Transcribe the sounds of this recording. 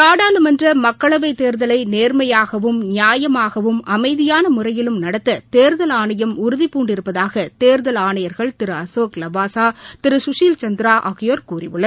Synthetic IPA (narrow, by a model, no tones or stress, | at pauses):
kaːɽaːlɯmɛndrɐmɐkːɐɭɐʋɐɪt̪eːɾðɐlɐɪneːɾmɐjaːɣɐʋɯmnɪjaːjɐmaːɣɐʋɯmɐmɐɪðɪjaːnɐmʊrɐjɪlɯmnɐɽɐt̪ːɐt̪eːɾðɐlaːɳɐjɐmʊɾʊðipːuːɳɖɪɾɯpːɐðaːɣɐt̪eːɾðɐlaːɳɐjɐɾɣɐɭt̪ɪɾɯɐsoːklɐbaːsaːt̪ɪɾɯsʊʂiːlt͡ʃɐnd̪ɪɾaːʔɐɣɪjoːɾkuːrɪ̰ʋɯɭːɐð